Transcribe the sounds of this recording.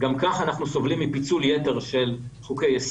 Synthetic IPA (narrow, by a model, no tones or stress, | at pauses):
ɡamkaχanaχnuso̞vlimːipit͡suljete̞ʁʃe̞lχukejes